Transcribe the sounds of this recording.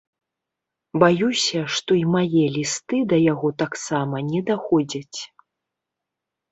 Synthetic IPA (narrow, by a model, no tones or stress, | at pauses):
bajusʲɐʂt̪ɔimajɛlʲist̪ɨd̪ɐjaɣɔt̪aksamɐnʲɛd̪axɔd͡zʲɐt͡sʲ